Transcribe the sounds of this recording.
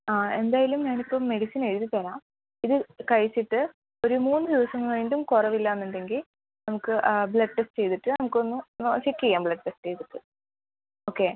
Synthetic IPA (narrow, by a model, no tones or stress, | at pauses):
aːe̞nd̪aːjalumɲaːnipːo̞ːme̞ɽisine̞ɻuðit̪ɐɾaːm | iðɨkɐɻisːiʈːɨ | o̞ɾumuːnːɨd̪iʋɐsɐŋːɐɭʋeːɳɖumkurɐʋilːaːɐnːuɳɖe̞ŋɡil | nɐmukːɨbɭɐɖʈesʈt͡ɕe̞jt̪iʈːɨnɐmukːo̞nːunoːɕɐkʲːiɣaːmbɭɐɖ̚ʈːesʈt͡ɕe̞jt̪iʈːɨ | oːkːe̞ː